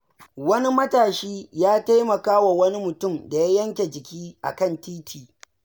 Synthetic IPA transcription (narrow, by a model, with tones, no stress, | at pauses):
wɐ˦ni˦mɐ˦taː˨ʃiː˦jaː˦ta˦jmɐ˨kaː˦wa˨wɐ˦ni˦mʊ˨tʊ˦˨mda˨ja˦jɐ˦ŋkʲe˨d͡ʒɪ˨kʲiː˦ʔa̰˨kɐ˦˨ntʰiː˦tʰiː˨